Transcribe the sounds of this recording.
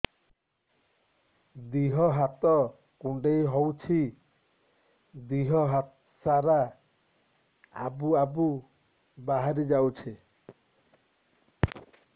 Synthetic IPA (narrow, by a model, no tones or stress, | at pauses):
d̪iɦɔɦat̪ɔ | kuɳɖejɦowt͡ʃʰi | d̪iɦɔɦat̪ | saɾa | a̰buabu | baɦaɾid͡ʒawt͡ʃʰi